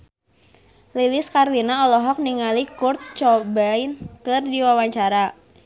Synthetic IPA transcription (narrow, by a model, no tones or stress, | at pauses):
liliskarlinaɔlɔɦɔk̚niŋalikurt̪̚t͡ʃɔbainkɨrdiwawaɲt͡ʃaɾa